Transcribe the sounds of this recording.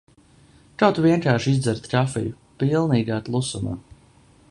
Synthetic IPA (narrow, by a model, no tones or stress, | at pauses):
kawt̪uviɛŋkaːɾʃizd̪zɛɾt̪kafḭju | pilˠniːɡaːt̪lˠusuma̰ː